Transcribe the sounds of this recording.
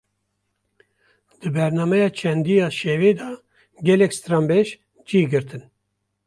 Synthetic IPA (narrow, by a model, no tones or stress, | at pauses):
d̪̥ɨbɛɾnɑːmɛjɑːt͡ʃʰɛnd̪ijɑːʃeveːd̪ɑ | ɡʲɛlɛkst̪ɾɑːmbɛʃ | d͡ʒiːɡɨɾt̪ʰɨn